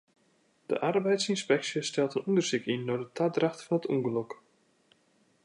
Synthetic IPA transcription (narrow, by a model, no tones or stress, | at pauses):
d̥ə̰ʔarbɛjtsinspɛksjəstɛlˠtənundərsikinːɔdətʰadraxtfɔnətṵŋɡəlɔk